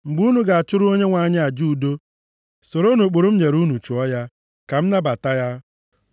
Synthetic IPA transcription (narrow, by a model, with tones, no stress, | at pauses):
ŋ͡m̩˨ɡ͡bu˦nu˨˦ɡa˨a˨t͡ʃʊ˦ɾʊ˦o˦ɲe˦ŋʷa˨ɲɪ˦a˨d͡ʒu˦u˨do˦ | so˨ɾo˦no˨k͡po˨ɾo˦m̩˦ɲe˨ɾu˦nu˨t͡ʃu˨ɔ˦ja˦ | ka˨m̩˦na˦ba˨ta˦ja˦